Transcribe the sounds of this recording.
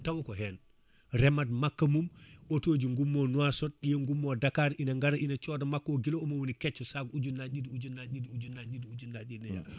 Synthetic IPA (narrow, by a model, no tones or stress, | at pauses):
tawukɔɦɛn | ɾɛmad̚makːamumotod͡ʒiŋɡumːonuasɔt̚ɗijeŋɡumːodakaɾinaŋɡaɾaʔinat͡ʃɔdamakːoɡiloomowunikɛt͡ʃːɔsaɡud͡ʒunːad͡ʒidud͡ʒunːaidiud͡ʒunːad͡ʒidiud͡ʒunːad͡ʒinɛja̰